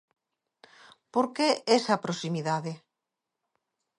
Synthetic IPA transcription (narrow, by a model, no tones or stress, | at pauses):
poɾkeesɐpɾosimiðaðe